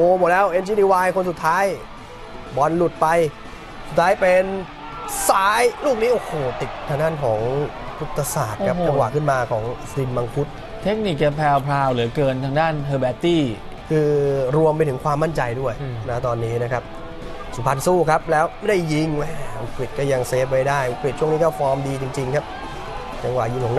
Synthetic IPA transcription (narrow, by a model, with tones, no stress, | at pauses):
ʔoː˧˩mo˨˩t̪̚lɛː˦˥wʔe˧nt͡ɕʰiː˧˥niː˧waː˧jkʰo˧nsu˨˩t̪ʰːaː˦˥j | bɔ˨˩nlu˨˩t̪̚pa˧j | suː˨˩aː˦˥jpe˧n | saː˦˥jluː˥˩k̚niː˦˥ʔoː˧˩hoː˨˩t̪i˨˩t̪̚ʰaː˧ŋdaː˥˩nkʰɔː˩˦ŋt̪ʰu˦˥t̪ʰːa˧saː˨˩t̪̚kʰa˦˥kt͡ɕa˧ŋwa̰ː˨˩kʰɯ˥˩nmaː˧kʰɔː˩˦ŋ | si˧nma˧ŋpʰu˦˥t̪̚ | t̪ʰe˦˥k̚ni˨˩k̚t͡ɕa˧pʰɛː˧wpʰɾaː˧wlɯ˩˦kɤː˧nt̪ʰaː˧ŋdaː˥˩nhɤː˧bɛː˦˥t̪iː˥˩ | kʰɯː˧ɾu˧əmpa˧jt̪ʰɯ˩˦ŋkʰwaː˧mːa˥˩nt͡ɕa˧jdu˥˩əjna˦˥˩t̪ɔː˧nːiː˦˥na˦˥kʰa˦˥p̚ | su˨˩˦mpʰa˧nsuː˥˩kʰa˦˥p̚lɛː˦˥wma˥˩da˥˩jːi˧ŋwɛ˥˩˧kli˨˩t̪̚kɔː˥˩ja˧ŋseː˦˥p̚wa˧jdaː˥˩jpɾi˨˩t̪̚t͡ɕu˥˩əŋniː˦˥kɔː˥˩fɔː˧˥mdiː˧t͡ɕi˧ŋt͡ɕi˧ŋkʰa˦˥p̚ | t͡ɕa˧ŋwaː˨˩ji˧ŋkʰɔː˩˦ŋ